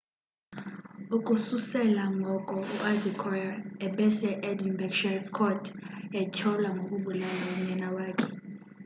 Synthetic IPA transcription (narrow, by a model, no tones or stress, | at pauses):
ukʼususɛlaŋɡʱɔkʼɔuʔadikʰɔjaɛɓɛsɛʔɛdinbɛkʃɛfkʰɔtʰɛcʰɔlwaŋɡʱokʼuɓulalaumɛnawaːkʰɛ̥